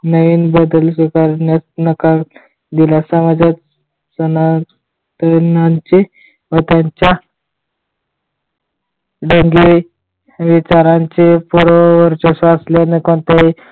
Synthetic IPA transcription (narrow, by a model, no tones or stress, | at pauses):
nəʋiːnbəd̪əlsikaɾnjat͡snəkal | d̪ilasəmad͡ʑa | səna | t̪ənaɲt͡ɕe | ʋət̪jaɲt͡ɕja | ɖəŋɡi | ʋit͡ɕaɾãɲt͡ɕepuɾoʋəɾt͡ɕəsaslenekoɳt̪aɦi